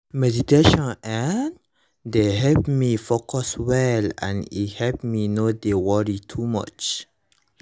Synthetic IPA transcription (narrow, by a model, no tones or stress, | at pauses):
mɛditeʃɔ̃nɛ̃n | deɦɛlpmifokɔswɛlɛ̰̃nḭthɛlp̚minodewɔɹitʰumʌ̰t͡ʃ